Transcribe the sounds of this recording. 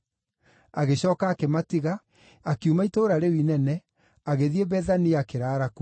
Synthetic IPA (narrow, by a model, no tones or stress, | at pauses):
aɣeɕɔːkaːkematiɣa | akiumaitoːɾaɾewinɛnɛ | aɣeðieβɛðaniakeɾaːɾaku